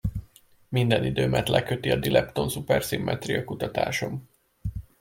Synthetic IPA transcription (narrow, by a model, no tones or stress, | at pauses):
mind̪ɛnid̪øːmʔɛt̪lʔɛkøt̪iɒd̪ilʔɛpt̪o̞nsupɛrsimːɛt̪riɒkut̪ɒt̪a̰ːʃo̞m